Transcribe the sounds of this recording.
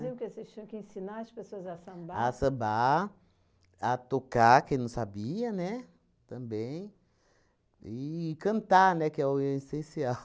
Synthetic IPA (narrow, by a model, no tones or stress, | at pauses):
zĩʊ̃kɪosest͡ʃĩjɐ̃kɪẽsinaɾɐspesoɐzasɐ̃baasɐ̃ba | at̪okakẽj̃nɐ̃w̃sabiɐnɛ | t̪ɐ̃bẽj̃ | ikɐ̃nt̪anɛkɪɛesẽsiaw